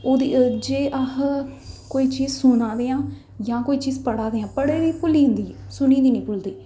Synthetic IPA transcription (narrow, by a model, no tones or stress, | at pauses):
oːd̪iːd͡ʒeːʔaɦ | koːiːt͡ʃiːzsʊnãːd̪eːãː | jãːkoːiːt͡ʃiːzpəɽaːd̪eːãːpəɽeːʋiːpʊliːɦʊ̃nd̪iːsʊnĩːd̪iːnĩːpʊld̪iː